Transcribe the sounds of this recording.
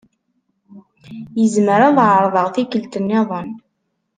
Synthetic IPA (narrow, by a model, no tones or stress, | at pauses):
jəzməɾaðˤʕəɾˤðˤəʁθikəlt̪ənːɪðˤən